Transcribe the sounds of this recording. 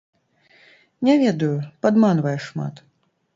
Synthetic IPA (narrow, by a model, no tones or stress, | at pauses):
nʲavʲɛd̪ɐjupad̪manvɐjɛʂma̰t̪